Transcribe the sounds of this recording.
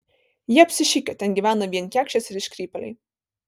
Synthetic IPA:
jiɛɐpʲsʲɪʃʲɪkʲɛt̪ʲɛnɡʲiʋʲæːnɐʋʲiɛnkʲæːkʃʲt͡ʃʲɛsɪɾɪʃʲkʲɾʲiːpʲɛlʲɛ̰ɪj

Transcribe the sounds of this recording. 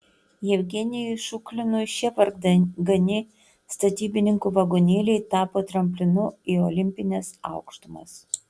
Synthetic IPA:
jɛʋʲɡʲɛnʲɪjɔʃʊklʲɪnʊʃʲɛpɐɾɡd̪ɡɐnʲɪ | st̪ɐt̪ʲiːbʲɪnʲɪŋkuːʋɐɡoːnʲeːlʲɛɪt̪ɑːpoːt̪ɾɐmʲpʲlʲɪnʊioːlʲɪmʲpʲɪnʲɛsɑʊkʃt̪ʊmɐ̰s

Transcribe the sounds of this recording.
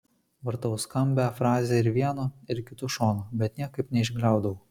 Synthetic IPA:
ʋɐɾt̪ɐʊskɐmʲbʲɛfɾɑːzʲeːɪɾʋʲiɛnoɪɾkʲɪt̪ʊʃoːnobʲɛt̪nʲiɛkɐɪpnʲɛɪʒʲɡlʲæˑʊd̪ɐʋʊ

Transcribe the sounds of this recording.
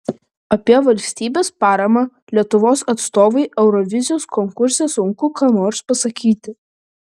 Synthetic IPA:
ɐpʲiɛʋɐlʲsʲt̪ʲiːbʲeːspɑːɾɐmɑ | lʲiɛt̪ʊʋoːsɐt̪st̪oːʋɐɪʔɛʊɾɔʋʲɪzʲɪjoːskɔŋkʊɾʲsʲɛsʊŋkʊkaːnoːɾspɐsɐkʲiːt̪ʲɪ

